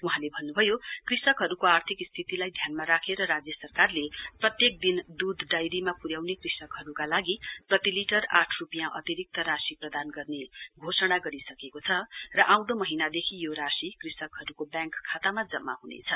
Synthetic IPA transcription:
uɦãlebʱʌnːubʱʌjokrisʌkɦʌɾukoart̪ʰikst̪ʰit̪ilajd̪ʱjanmaɾakʰeɾʌɾad͡zjʌsʌrkarleprʌt̪jek̚d̪ind̪ud̪ʱɖajɾimapuɾjawnekrisʌkɦʌɾukalaɡiprʌt̪iliʈʌra̰ʈʰrupijãʔʌ̰t̪iɾik̚t̪ʌɾasiprʌd̪anɡʌrneɡʱosʌɽ̃aɡʌɾisʌkekot͡sʰʌrʌʔãw̃d̪ʌmʌɦinad̪ekʰijoɾasikrisʌkɦʌɾukobjãŋkʰːat̪amad͡zʌmːa̰ɦunḛt͡sʰʌ

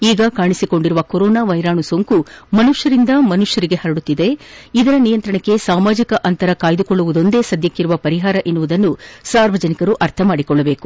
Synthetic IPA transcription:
iːɡɐkaːɳisiko̞ɳɖiɾuʋɐkoɾɔːnaːʋɐjɾaːɳusoŋkumɐnuʂjɐɾind̪ɐmɐnuʂjɐɾiɡe̞hɐɾɐɽut̪ːid̪e̞id̪ɐɾɐnijɐnt̪ɾɐɳɐkːe̞saːmaːd͡ʒikɐʔɐnt̪ɐɾɐkaːjd̪ukɔɭːuʋud̪o̞nd̪e̞ːsɐd̪jɐkːiɾuʋɐpɐɾiɦaːɾɐʔinːuʋud̪ɐnːusaːɾʋɐd͡ʒɐnikɐɾuʔɐɾt̪ʰɐmaːɽikɔɭːɐbe̞ːku̥

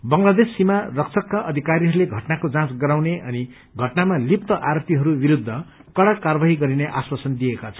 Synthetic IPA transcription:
bʌŋlad̪esːimarʌk̚t͡sʰʌkːaʔʌd̪ʱikaɾiɦʌɾuleɡʱʌʈnakod͡zãt͡sɡʌɾawneʔʌni | ɡʱʌʈnamalip̚t̪ʌʔaɾpt̪iɦʌɾubiɾud̪ʱːʌ | kʌɽakːarbaɦiɡʌɾineʔaswasʌnd̪ijekat͡sʰʌ̥n

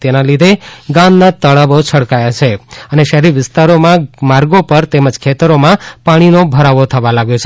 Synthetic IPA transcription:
t̪enalid̪ʱeɡãmnat̪əɭaʋot͡ʃʰəɽkajat͡ʃʰeəneʃəɦɾiɾʋɪst̪aɾomãmaɾɡopəɾt̪eməd͡ʒkʰet̪əɾomãpaɽ̃inobʱəɾaʋot̪ʰəʋalaɡjot͡ʃʰe

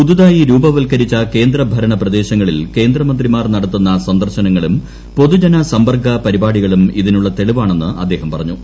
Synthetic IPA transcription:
pud̪uðaːjiɾuːbɐʋɐlkɐɾit͡ɕːɐke̞ːnd̪ɾɐbʱɐɾɐɳɐprɐd̪e̞ːɕɐŋːɐɭilke̞ːnd̪rɐmɐnd̪rimaːrnɐɽɐt̪ːunːɐsɐnd̪ɐrɕɐnɐŋːɐɭum | po̞ðud͡ʑɐnɐsɐmbɐrɡʱɐpɐɾibaːɽiɣɐɭumiðinuɭːɐt̪e̞ɭiʋaːɳe̞nːɨʔɐd̪ːe̞ːɦɐmpɐrɐɲːu

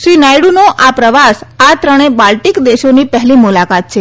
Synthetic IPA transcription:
ʃɾinajɽunoʔapɾəʋasat̪ɾəɽ̃ebalʈikd̪eʃonipɛɦlimulakat̪̚t͡ʃʰe

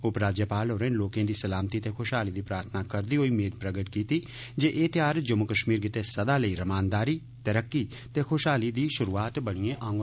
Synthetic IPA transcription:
ʊpɾaːd͡ʒjəpaːloːɾẽnloːkẽːd̪iːsɐlaːmt̪it̪exʰoːʃɦaːlid̪ipɾaːɾt̪ʰnakəɾd̪iɦoimeːd̪pɾəɡəʈkiːt̪i | d͡ʒeʔeːt̪jaːɾd͡ʒəmʊkəʃmiːɾɡɪt̪esɐd̪aləiɾɐmaːnd̪aːɾiː | t̪əɾəkːi | t̪exʰoːʃɦaːlid̪iːʃʊɾuːaːt̪bəɽ̃iẽʔãːŋɡ

